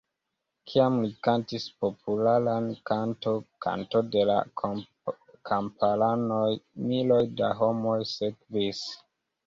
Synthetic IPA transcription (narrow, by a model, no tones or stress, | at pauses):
kʰiamlikantispo̞pʰulalankanto̞kʰa̰ntode̞la̰ | kʰampʰalanojmilo̞jda̰ɦo̞mo̞jsekvis